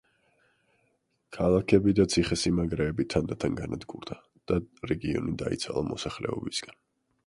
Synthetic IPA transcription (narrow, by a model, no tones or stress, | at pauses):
kʰalˠakʰɛbid̪at̪sʰiχɛsimaɡɾɛːbit̪ʰand̪at̪ʰanɡanad̪ɡuɾd̪a | d̪̥aɾɛɡiɔ̰nid̪a̰ḭt̪sʰalˠamɔsaχlɛ̰ɔbisɡ̥an